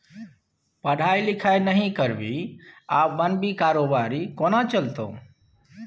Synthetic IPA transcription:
pəɽ̤ʱaːjlɪkʰaːjnəɦĩkəɾʋiːaːpbənbʱiːkaːɾoːbaːɾiːkoːnãːt͡ʃəlt̪o̰ː

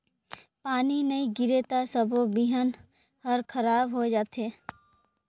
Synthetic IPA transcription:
paːninɐĩɡɪɾet̪asəbʱobiɦən | həɾkʰəɾaːbɦod͡ʒaːt̪eː

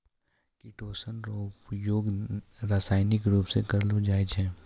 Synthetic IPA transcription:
kiʈoːsənpjoːɡɾaːsaːɪnɪkɾuːpsekɐɾlud͡ʒaːɪd͡ʒɦɛː

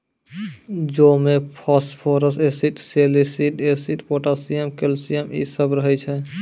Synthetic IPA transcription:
d͡ʒomepʰɔspʰoɾəsesiʈselisiʈesiʈpoʈasijəmkelsijəmḭsəbɾəɦɛt͡ʃʰɛ

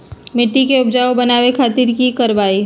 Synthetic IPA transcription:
mɪʈːikeʊbd͡ʒaːobɐnaːʋekʰaːt̪iɾkikɐɾʋaːi

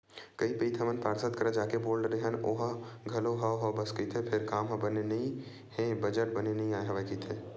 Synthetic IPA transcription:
kəipəit̪ʰəmənpaːɾsət̪kəɾəd͡ʒaːkeboːɭɖɾeɦənoːɦəɡʱɐloɦaɦəbəskəit̪ʰepʰɪɾkaːmɦə̃bənenɐĩ | ɦẽbəd͡ʒəʈ̚bənenɐɦĩaːɦəʋakit̪ʰeː

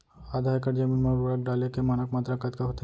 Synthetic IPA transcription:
ad̪ʱaekəʈd͡ʒəmiːnməɾuɾak̚ɖalekemanəkmat̪ɾakat̪kaɦot̪e

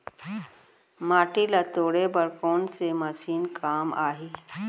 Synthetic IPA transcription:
maːʈilɐt̪oːɽebəɾkoːnsemɐsiːnkʰaːma̰ːɦiː

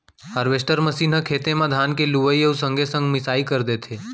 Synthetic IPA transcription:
həɾʋesʈəɾməsiːnɦəkʰeːt̪emãd̪ʱaːnkeluʋəieusə̃ŋɡʱesə̃ŋɡmɪsaːikəɾd̪eːt̪ʰeː

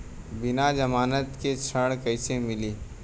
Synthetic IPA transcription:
bɪnad͡ʒɐmaːnət̪ket͡ʃʰəɽ̃kɐɪsemɪliː

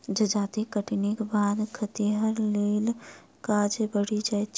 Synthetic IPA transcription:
d͡ʒəd͡ʒaːt̪ikəʈinikbad̪kʰət̪iɦəɾlel | kad͡ʒebəɽid͡ʒaj

